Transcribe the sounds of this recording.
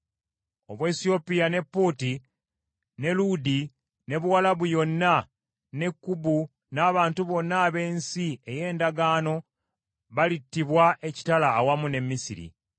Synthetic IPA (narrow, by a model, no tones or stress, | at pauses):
o̞βweːsio̞pijane̞pːoti | ne̞ludi | ne̞βuwalaβujo̞nːa | ne̞kːubu | naːβaːntuβo̞nːaːβe̞ːnsie̞je̞ːndaɡaːno̞ | βalitːiβwaʔe̞ci̥talaːwamune̞mːisiɾḭ